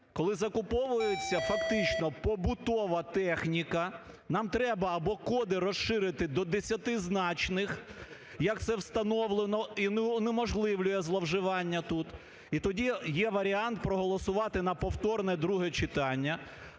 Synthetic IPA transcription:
kɔlˠɪzɐkʊpɔʋʊjet͡sʲːɐfɐkt̪ɪt͡ʃnɔpɔbʊt̪ɔʋɐt̪ɛxnʲikɐ | nɑmt̪ɾɛbɐːbɔkɔd̪ɪɾɔsʃɪɾɪt̪ɪd̪ɔd̪esʲɐt̪ɪznɑt͡ʃnɪx | jɐk̚t̪sɛwst̪ɐnɔʋlˠenɔinnemɔʒlˠɪʋlʲʊjɛzlˠɐwʒɪʋɑnʲːɐt̪ut̪ | it̪ɔdʲijɛʋɐɾʲiɑnt̪̚pɾɔɦɔlˠɔsʊʋɑt̪ɪnɐpɔwt̪ɔrnɛd̪ɾuɦɛt͡ʃɪt̪ɑnʲːɐ

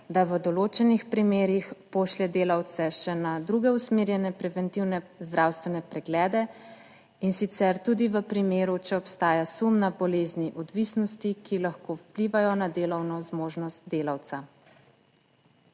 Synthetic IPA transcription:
d̪aʋəd̪ɔloːt͡ʃɛnixpɾimeːɾixpoːʃlɛd̪eːlawt̪sɛʃɛnad̪ɾuɡɛusmeːɾjɛnɛpɾɛvɛnt̪iwnɛzd̪ɾawst̪ʋɛnɛpɾɛɡlɛːd̪ɛ | insit̪sɛɾt̪ud̪iʋəpɾimeːɾut͡ʃɛɔpst̪aːjasumnabɔleːzniʔɔd̪ʋisnɔst̪ikʰilaxkowpliːʋajɔnad̪eːlɔwnɔzmoːʒnɔst̪̚d̪eːlawt̪sa

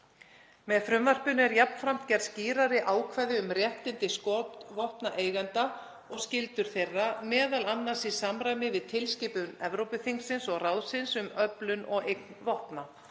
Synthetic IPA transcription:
mɛðfɾʏmvar̥pʏnɛɾjapnfɾam̥t̪cɛɾðsciːɾaɾɪʔaːwkʰvɛːðɪʏmrjɛht̪ɪnt̪ɪskot̪vɔhpnaʔeːjɣant̪a | ɔɣscɪlt̪ʏɾ̥θejrːamɛːðalanːasisamɾaːjmɪvɪðt̪ʰɪlscɪːpʏnɛvɾowpʏfiŋksɪnsɔɣrawðsɪnsʏmœplʏnʔɔɣejk̚nvɔhpna

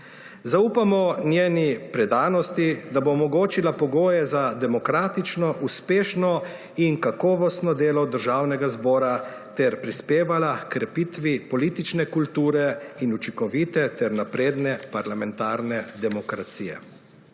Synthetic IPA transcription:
zauːpamɔnjeːnipɾɛd̪aːnɔst̪id̪aboːmɔɡoːt͡ʃilapɔɡoːjɛzad̪ɛmɔkɾaːt̪it͡ʃnɔʔuspeːʃnɔ | inkakɔːʋɔst̪nɔd̪eːlɔd̪əɾʒawnɛɡazbɔːɾa | t̪ɛɾpɾispeːʋalakkɾɛpiːt̪ʋipɔliːt̪it͡ʃnɛkult̪uːɾɛinut͡ʃikɔʋiːt̪ɛt̪ɛɾnapɾeːd̪nɛpaɾlamɛnt̪aːɾnɛd̪ɛmɔkɾat̪siːjɛ̰

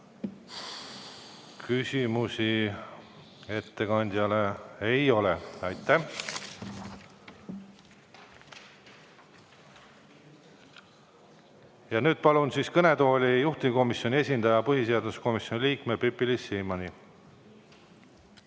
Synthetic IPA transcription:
kysʲimusi | e̞t̪ːe̞kɑnʲd̪ʲjɑleejo̞leɑjt̪ːˑæh | jɑnyːd̪̥̚pɑlunsiːskɤne̞d̪o̞ːlʲijuht̪iko̞misːˑjo̞nʲie̞sʲind̪̥ɑjɑpɤɦise̞ɑd̪usko̞misjo̞niliːkme̞pypːilisːiːmɑni

